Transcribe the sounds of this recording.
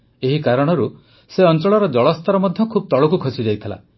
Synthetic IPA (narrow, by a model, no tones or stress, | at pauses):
eɦikaɾɔɽ̃ɔɾu | seɔnt͡ʃɔɭɔɾɔd͡ʒɔɭɔst̪ɔɾɔmɔd̪ʱjɔkʰub̚t̪ɔɭɔkukʰosid͡ʒajt̪ʰila̰